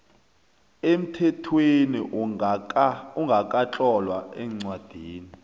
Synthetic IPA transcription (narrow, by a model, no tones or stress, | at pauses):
em̩tʰɛtʰweniʔ | uŋɡʱakʼat͡ɬʼɔlwaɛːŋ͡ǀwad̥ʱiːni